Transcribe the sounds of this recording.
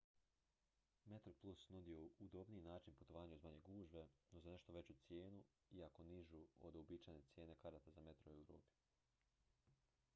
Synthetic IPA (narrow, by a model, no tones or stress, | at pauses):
me̞t̪ɾoplˠusnud̪ioud̪o̞bniinaːt͡ʃinput̪o̞ʋaːɲauzmaɲe̞ɡuːʒbe̞nozane̞ʃt̪o̞ʋe̞t͡ɕut̪sje̞ːnu | iako̞niʒuo̰d̪obiːt͡ʃajne̞t̪sje̞ːne̞kaɾat̪azame̞t̪ɾoewɾo̰ːpi̥